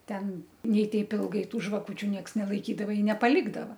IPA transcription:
ˈtʲɛn ˈnʲɛɪ ˈtʲɛɪp ˈɪlˠɡɐɪ ˈtuː ʒʋɐˈkʊt͡ʃʲʊ ˈnʲiɛks nʲɛlˠɐɪkʲiːdɐʋɐ ɪ nʲɛpɐˈlʲɪɡdɐʋɐ

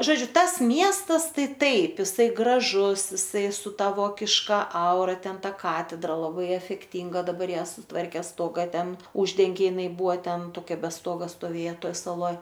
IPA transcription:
ˈʒoːd͡ʒʲʊ ˈtɐs ˈmʲiɛstɐs ˈtɐɪ ˈtɐɪp jɪˈsɐɪ ɡrɐˈʒʊs jɪˈsɐɪ sʊ ˈtɐ ˈʋoːkʲɪʃkɐ ˈɐʊrɐ ˈtʲɛn ˈtɐ ˈkɑːtʲɛdrɐ lˠɐˈbɐɪ ɛfʲɛkˈtʲɪŋɡɐ dɐˈbɐr ˈjiɛ sʊˈtʋɐrʲkʲeː ˈstoːɡɐ ˈtʲɛn ˈʊʒʲdʲɛŋʲɡʲeː jɪˈnɐɪ ˈbuːɐ ˈtʲɛn toːˈkʲɛ bʲɛ ˈstoːɡɐ stoːˈʋʲeːjɛ ˈtoːj sɐˈlˠoːj

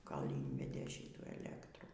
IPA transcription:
ˈkoːlʲ ˈiːnʲʋʲɛdʲeː ˈʃʲɪtuː ɛˈlʲæːktruː

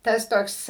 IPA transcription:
ˈtɐs ˈtoːks

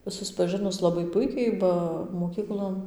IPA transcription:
sʊspɐˈʒɨnʊs ˌlˠɑːbɐɪ ˈpʊɪkʲɛɪ ˈbɐ moːˈkʲiːklˠoːn

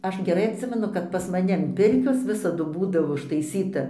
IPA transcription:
ˈɐʃ ɡʲɛˈrɐɪ ɐtʲˈsʲɪmʲɛnʊ kɐt pɐs mɐˈnʲɪ ɐn ˈpʲɪrʲkʲoːs ˈʋʲɪsɐdʊ ˈbuːdɐʋoː ʊʃtɐɪˈsʲiːtɐ

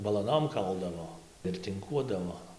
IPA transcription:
bɐlˠɐˈnoːm ˈkɐlˠdɐʋoː ɪr tʲɪŋˈkuɔdɐʋoː

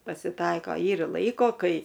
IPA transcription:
pɐsʲɪˈtɐɪkoː ˈiːrɐ ˈlˠɐɪkoː ˈkɐɪ

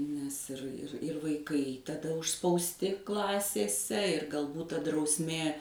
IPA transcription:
nʲɛs ɪr ɪr ɪr ʋɐɪˈkɐɪ tɐˈdɐ ʊʃspɐʊsʲˈtʲɪ ˈklˠɑːsʲeːsʲɛ ɪr ɡɐlˠˈbuːt tɐ drɐʊsʲˈmʲeː

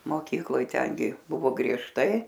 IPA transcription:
moːˈkʲiːklˠoːj ˈtʲɛŋʲɡʲɪ ˈbʊʋoː ɡrʲiɛʃˈtɐɪ

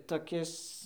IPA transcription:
toːˈkʲɪs

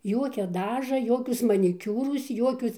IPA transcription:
ˈjuɔkʲɛ ˈdɑːʒɐ ˈjoːkʲʊs mɐnʲɪˈkʲuːrʊs ˈjuɔkʲʊs

